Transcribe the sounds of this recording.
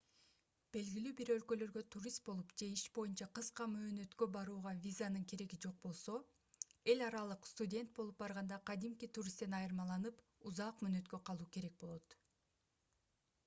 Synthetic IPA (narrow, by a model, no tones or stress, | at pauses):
b̥e̞lɡilyːbiɾø̞lkølø̞ɾɡø̞t̪ʰuɾʲist̪̚bo̞lˠupd͡ʒe̞iʃbo̞junt͡ʃɑqɯsqɑmøːnø̞t̪kø̞bɑɾuːʁɑvʲizanɯŋkʰe̞ɾe̞ɡid͡ʒo̞q̚bo̞lˠso̞ | e̞lʲɑɾɑlˠɯqst̪udʲe̞nt̪̚bo̞lˠup̚bɑɾʁɑnd̪ɑqʰɑd̪imkit̪uɾʲist̪e̞nɑjɯɾmɑlˠɑnɯp | uzɑːqmøːnø̞t̪kø̞qʰɑlˠuːke̞ɾe̞k̚bo̞lˠo̞t̪